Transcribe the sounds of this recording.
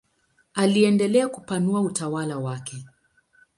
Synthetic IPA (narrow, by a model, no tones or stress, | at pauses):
aliɛndɛlɛakupanuautawalawakʰɛ